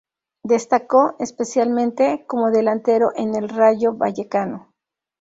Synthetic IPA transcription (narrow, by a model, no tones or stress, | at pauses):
d̪e̞st̪ako̞espe̞sjalmẽnt̪e̞ko̞mo̞ðe̞lant̪e̞ɾo̞ʔene̞lraʝo̞βa̰ʝe̞kano̞